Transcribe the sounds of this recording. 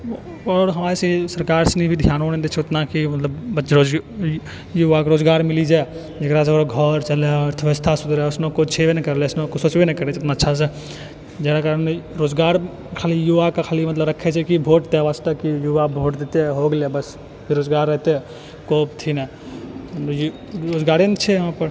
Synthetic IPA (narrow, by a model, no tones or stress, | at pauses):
ɔːɾɦɐmaːɾesesəɾkaːɾsnibʱid̪ʱjaːnonẽd̪et͡ʃʰeʊt̪nakimɐt̪ləbbəɾod͡ʒ | juʋakoɾoːd͡ʒɡaːɾmɪlid͡ʒaː | d͡ʒɐɡɾas̬eɾoɡʱɔɾt͡ʃəleəɾt̪ʰəʋəst̪ʰasʊd̪ɾɛʊsnõkot͡ʃʰeʋenkɐɾleʊsnõkosoːt͡ʃbeneikɐɾet͡ʃɪt̪naːtːʃʰas̬e | d͡ʒɛɾakaɾənmeɾod͡ʒɡaɾ | kʰaːlijuʋakekʰaːlimət̪ləbɾəkʰːɛt͡ʃʰɛkibʱoːʈ̚t̪eʋast̪əkijuʋabʱoʈd̪et̪eɦoɡljebəs | biɾoːd͡ʒɡaɾːəɦt̪e | kop̚t̪ʰinɛ | j | ɾoːd͡ʒɡaɾent͡ʃʰɛjəɦãpəɾ